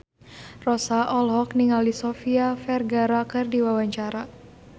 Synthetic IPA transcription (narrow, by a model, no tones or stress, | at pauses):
rɔsaʔɔlɦɔkniŋalisɔfiafɛrɡaɾakɨrdiwawaɲt͡ʃaɾa